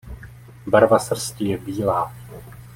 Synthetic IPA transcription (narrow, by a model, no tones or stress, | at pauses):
baɾvasr̩scɪjɛbiːlaː